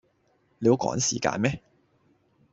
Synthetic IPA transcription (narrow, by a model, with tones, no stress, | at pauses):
le˨˧wkɔ̰ː˨˥ŋsiː˨˩ka̰ː˧nmɛː˦˥